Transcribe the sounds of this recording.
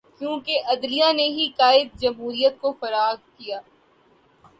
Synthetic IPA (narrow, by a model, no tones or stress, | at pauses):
kjõːkeʔɐd̪lijaneɦikaːɪd̪̚d͡ʒɐmɦuːɾijət̪̚kofɐɾaːɾkijaː